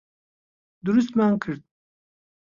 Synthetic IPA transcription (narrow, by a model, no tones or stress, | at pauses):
d̪uɾus̬t̪maŋkʰɨɾd̪̚